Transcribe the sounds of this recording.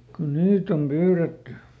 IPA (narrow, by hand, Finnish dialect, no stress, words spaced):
kun niːt om pyːretːy